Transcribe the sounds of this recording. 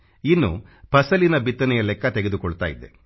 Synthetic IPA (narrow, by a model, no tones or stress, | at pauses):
inːṵ | pɐsɐlinɐbit̪ːɐnɛjɐlɛkːɐt̪eɡed̪ukɔɭut̪a̰ːjid̪ːḛ